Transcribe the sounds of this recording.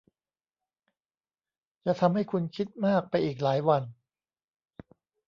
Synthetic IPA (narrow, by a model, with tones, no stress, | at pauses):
t͡ɕa˨˩t̪ʰa˧mha˥˩jkʰu˧nkʰi˦˥t̪̚maː˥˩k̚pa˧jʔiː˨˩k̬̚laː˩˦jwa˧n